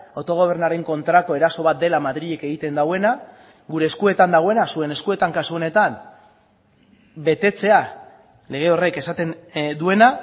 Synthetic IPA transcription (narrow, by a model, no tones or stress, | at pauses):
ot̪o̞ɣ̞o̞β̞e̞ɾnaɾe̞ŋko̞nt̪ɾako̞e̞ɾaso̞βat̪̚d̪e̞lamaðɾiʎe̞ke̞ɣ̞it̪e̞nd̪awe̞na | ɣuɾe̞ːskue̞t̪and̪aɣoe̞nasue̞ne̞skue̞t̪aŋkasuo̞ne̞t̪an | be̞t̪e̞t͡se̞a | le̞ɣ̞e̞o̞re̞ke̞sat̪e̞nd̪ue̞na